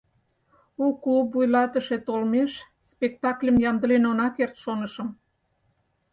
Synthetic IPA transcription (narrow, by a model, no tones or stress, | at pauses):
uklupːujlɑt̪əʃet̪olmeʃ | spek̚t̪ɑklʲəmjɑmd̪əlenonɑkert̪ʃonəʃə̆m